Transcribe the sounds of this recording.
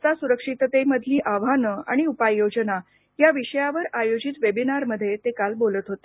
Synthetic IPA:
t̪asuɾəkʂit̪t̪eməd̪ʱliːʔaʋanəa̰ɽ̃iupajːod͡ʑəna | jaʋiɕəjaʋəɾajod͡ʑit̪ʋebinaɾməd̪ʱːjet̪ekalbolət̪ɦot̪e

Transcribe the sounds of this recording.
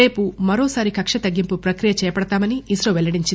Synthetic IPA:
e̞ːpumɐɾoːsaːɾikɐkʂɐt̪ɐɡːimpupɾɐkɾijɐt͡ʃɛːjɐpɐɽɐt̪aːmɐniːsɾɐʋɛlɐɽiɲt͡ʃin

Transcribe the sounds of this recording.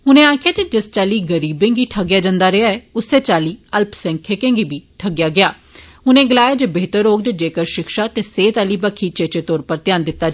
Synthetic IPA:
ʊnẽːaːkʰɪjaːt̪eːd͡ʒɪst͡ʃaːliːɡəɾiːbẽːɡiːʈʰəɡjaːd͡ʒãːnd̪aːɾeaːɛːʊsːeːt͡ʃaːliːəlpsɛ̃ŋkʰeːkẽːŋɡiːbiːʈʰəɡɪjaːɡɪjaː | ʊnẽːɡəlaːjaːd͡ʒeːbeːt̪əɾoːɡ̚d̪ed͡ʒeːkəɾʃɪkʃaːt̪eːseːt̪aːliːbakʰiːt͡ʃeːt͡ʃeːt̪ɔːɾpəɾt̪ɪjaːnd̪ɪt̪ːaː

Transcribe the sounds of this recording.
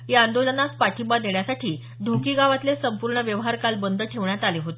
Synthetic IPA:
ɦeand̪olənaspaʈʰibad̪eɳjasaʈʰiː | d̪ʱokiːɡaʋat̪lesəmpuɾɳəʋjəʋɦaɾkalbənd̪ʱəʈʰeʋɳjat̪aleɦot̪e̥

